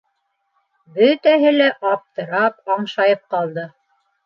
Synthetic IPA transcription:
bɵt̪æɦɘlæʔɑp̚t̪ɤ̆ɾɑpɑɴʃɑjɤp̚qɑlˠd̪ɤ

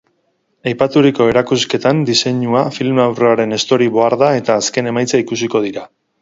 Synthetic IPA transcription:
ajpat̪uɾiko̞e̞ɾakuske̞t̪and̪ise̞ɲuafilmawreaɾe̞nest̪o̞ɾiβo̞aɾðae̞t̪aːske̞ne̞majt͡saikusiko̞ð̞iɾa

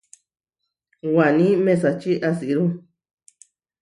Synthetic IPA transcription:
wanĩmẽsat͡ʃiʔasiɾu

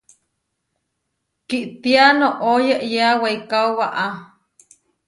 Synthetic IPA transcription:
kiʔt̪ianoʔojeʔjeaweikawwaʔa

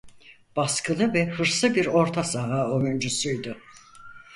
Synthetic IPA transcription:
b̥askʰɯlˠɯvɛhɯɾsɯbiɾo̞ɾt̪ʰasaɦaːojynd͡ʒusujd̪ʊ

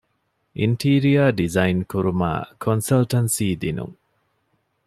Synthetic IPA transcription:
ʔinʈiːɾiɐɖizɐjnkuɾuma̰ːkʰonsɐlʈɐnsiːd̪inṵŋ

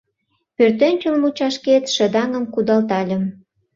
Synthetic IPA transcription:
pørt̪enʲt͡ɕəlmut͡ɕɑʃket̪ʃə̆d̪ɑŋə̆mkud̪ɑlt̪ɑlʲə̆m

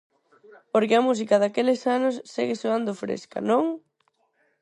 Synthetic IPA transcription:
poɾkeɐmus̬ikɐðakelɪsanʊsːeɣesoand̪ʊfɾḛskɐ̰nõŋ

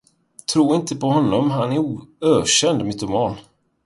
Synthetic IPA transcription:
t̪ʰɾuːɾɪnt̪ʰəpʰɔhɔnːɔmɦanæɾuːøːɕɛnd̪mɪt̪ʊmɑːn

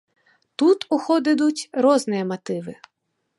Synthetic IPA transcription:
t̪ut̪ʊxɔd̪ɪd̪ʊtʲrɔznɪjɐmɐt̪ɪʋɪ

